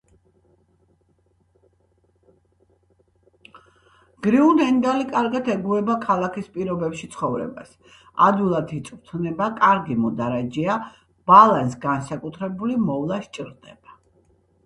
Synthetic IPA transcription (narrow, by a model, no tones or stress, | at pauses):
ɡ̥ɾiund̪ɛnd̪alikʼaɾɡat̪ʰɛɡuɾɛbakʰalˠakʰispʼiɾɔbɛpʃit̪sʰχɔvɾɛ̰ba̰s | a̰d̪wilˠad̪ʰit̪sʼvt̪ʰnɛbakʼaɾɡimɔd̪aɾad͡ʒia | b̥alˠansɡansakʼut̪ʰɾɛbulimɔvlˠaʃt͡ʃʼiɾd̪ɛ̰b̥a